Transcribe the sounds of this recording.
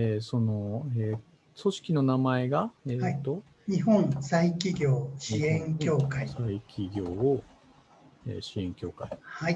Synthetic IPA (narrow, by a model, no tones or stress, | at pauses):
eso̞no̞eː | so̞ɕi̥kʲino̞namae̞ɡaeːat̪ːo̞ | ɲ̟iɦõñsaikʲiɡʲo̞ːɕiẽŋkʲo̞ːkaisaikʲʰiɡʲo̞ː | ḛːɕiẽ̞ŋkʲo̞ːkaihai